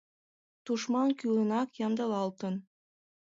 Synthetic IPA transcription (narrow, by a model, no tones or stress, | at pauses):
t̪uʃmɑnkylɤ̆nɑkjɑnd̪ɑlɑlt̪ɤn